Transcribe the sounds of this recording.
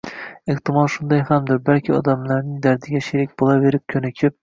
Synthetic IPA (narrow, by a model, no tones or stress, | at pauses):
eht̪ɪmɒlˠʃʊnd̪ɑjhamd̪ɪɾbælkʲʰɪɒ̰d̪ɑmlˠaɾnɪd̪æɾd̪ɪɡʲaʃeɾɪk̚ʲbolˠave̞ɾɪp̚kʲʰɵnɪkʲʰɪp̚